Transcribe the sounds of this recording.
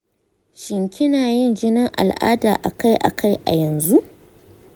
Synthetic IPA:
ʃɪ˨ŋkʲʰɪ˦naː˨jɪ˦nd͡ʒɪ˦nɪ˦ŋʔa̰˨lʔa̰ː˦daː˨ʔa̰˨ka˦jʔa̰˨kʰa˦˨jʔa̰˨jɐ˨nzu˦ʔ

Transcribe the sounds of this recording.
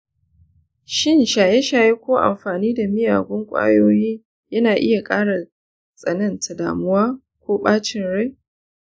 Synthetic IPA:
ʃɪ˦nʃaː˨je˦ʃaː˨je˦kʷoː˦ʔa̰˨mɸaː˨niː˦da˨mɪ˦ja̰ː˨ɡʷʊ˦ŋkʷʼa̰ː˦joː˦jiː˦ | jɐ˦naː˨ʔɪ˦ja˨kʼaː˦ɽa˨ | sʼɐ˨nɐ˦ntʰɐ˨da̰ː˨mʊ˦waː˦ | kʷoː˦ɓaː˦t͡ʃɪ˦nɽa˦j

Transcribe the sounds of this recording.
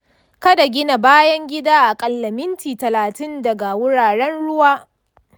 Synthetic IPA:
kɐ˦da˨ɡʲɪ˦na˨baː˦jɐ˦ŋɡʲɪ˦daː˦ʔa˨kʼɐ˨lːɐ˨mɪ˦ntiː˨tɐ˨laː˨tɪ˦ndɐ˨ɡa˨wʊ˦ɽaː˨ɽɛ˦nɽʊ˦waː˦

